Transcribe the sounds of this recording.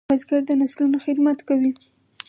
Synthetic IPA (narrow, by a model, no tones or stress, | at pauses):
azɡaɾd̪ənaslunoxɪd̪mat̪kawi